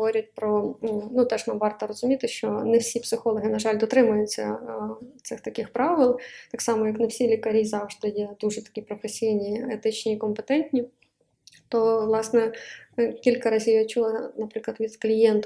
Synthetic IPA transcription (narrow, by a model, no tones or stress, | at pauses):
oɾʲɪt̚ʲpɾɔnut̪ɛʐnamʋɑrt̪ɐɾɐzʊmʲit̪ɪʃt͡ʃɔnɪwsʲipsɪxolˠɐɦɪnɐʐɑlʲd̪ɔt̪ɾɪmʊjʊt͡sʲːɐ̰ | t̪sɨxt̪ɐkʲɪxpɾɑʋɪlˠt̪ɑksɑmɔjɐknɪwsʲilʲɪkɐɾʲizɑwʐd̪ɪjed̪uʐɛt̪ɐ̥kʲipɾɔfesʲijnʲiɛt̪ɪt͡ɕnʲiːkɔmpɛt̪ɛnʲtʲnʲi | t̪oʋlˠɑsnɛ | kʲilʲkɐɾɑzʲijot͡ʃulˠɐnɐpɾʲɪklˠɐt̪ʋʲid̪klʲijent̪